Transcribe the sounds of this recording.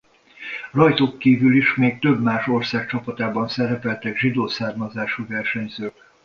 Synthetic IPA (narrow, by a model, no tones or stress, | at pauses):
rɒjt̪oːkːiːvyliʃmeːk̚t̪ø̞bmaːʃo̞rsaːk̚t͡ʃɒpɒt̪aːbɒnsɛɾɛpɛlt̪ɛɡʒid̪oːsaːrmɒzaːʃuːvɛrʃɛɲzøːk